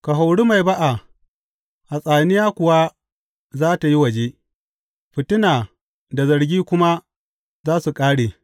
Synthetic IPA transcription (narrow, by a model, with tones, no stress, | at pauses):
ka˨ɦa˨wɽu˦ma˨jba˦ʔa˨ | ʔa˨sʼaː˨nɪ˦jaː˦kʷʊ˨wa˦ | zaː˦ta˨ji˦wɐ˨d͡ʒe˦ | ɸɪ˨tʊ˦naː˨ | da˨zɐ˨ɾɡʲiː˦kʷʊ˦ma˦ | zaː˦su˨kʼaː˦ɽeː˨